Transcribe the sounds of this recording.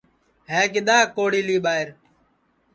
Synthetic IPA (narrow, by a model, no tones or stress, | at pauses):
ɦẽːk̬ɪɗ̪aːkoːɽiːliːɓaːɦɪɾ